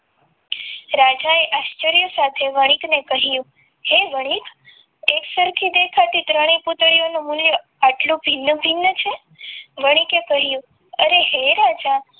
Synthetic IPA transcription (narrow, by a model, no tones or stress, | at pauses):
ɾad͡ʒaeʔaʃt͡ʃəɾjəsat̪ʰeʋəɽ̃iknekəɦjũ | heʋəɽ̃ik | eksəɾkʰid̪ekʰat̪it̪ɾəɽ̃iput̪ɽionomuljə | aʈlũbʱinːəbʱinːət͡ʃʰe | ʋəɽ̃ikekəɦijũ | əɾeɦeɾad͡ʒa